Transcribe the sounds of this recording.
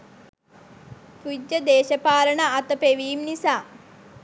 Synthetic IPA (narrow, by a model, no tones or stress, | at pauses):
kud͡ʒjɐd̪eːʃɐpaːɾɐɳəat̪əpeʋiːmnisaː